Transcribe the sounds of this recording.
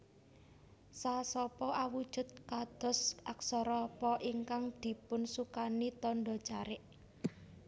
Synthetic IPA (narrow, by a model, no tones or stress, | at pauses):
sasɔpɔʔawud̥ʒ̥ʊ̤t̪̚kad̪̥ɔ̤sʔaksɔɾɔpɔʔiŋkaŋd̪̥i̤pʊnsukanit̪ɔɳɖɔ̥t͡ʃaɾɪʔ